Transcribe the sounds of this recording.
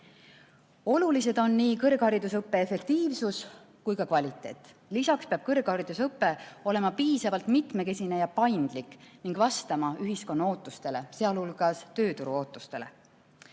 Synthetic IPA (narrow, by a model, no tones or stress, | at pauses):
o̞lulise̞d̪o̞nːiːkɤrɡ̥hɑɾid̪usɤpːe̞efe̞k̚t̪iːvsus | kujkɑkvɑlʲit̪ːˑe̞̰ːt̪ˑ | lisɑkspeɑb̥̚kɤrɡ̥hɑɾid̪̥usɤpːe̞o̞le̞mɑpiːsɑvɑlt̪mit̪me̞ke̞sʲine̞jɑpɑjnd̪̥likːniŋɡ̥vɑst̪ɑmɑyɦisko̞nːɑo̞ːt̪ːˑust̪e̞le̞se̞ɑlhulɡ̥ɑst̪ø̞ːt̪uɾuo̞ːt̪ːˑust̪e̞̰le̞̰